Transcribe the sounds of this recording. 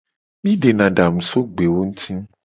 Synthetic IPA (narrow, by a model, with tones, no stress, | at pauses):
mĩ˦ɖe˨nã˨ɖa˨mũ˨so˦ɡ͡be˨wo˦ŋũ˦t̪ʰĩ˦